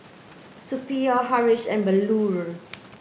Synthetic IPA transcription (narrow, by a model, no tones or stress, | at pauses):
supiahaɹisɛ̃nbəluɹə